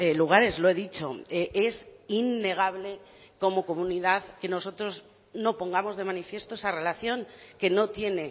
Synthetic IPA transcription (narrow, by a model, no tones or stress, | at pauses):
eluɣ̞aɾe̞zloe̞ðit͡ʃo̞eʔesinːe̞ɣ̞aβ̞le̞ | ko̞mo̞ko̞mũniðaðke̞no̞so̞t̪ɾo̞z | no̞po̞ŋɡamo̞zð̞e̞manifje̞st̪oesare̞laθjõ̞ŋke̞no̞t̪je̞ne̞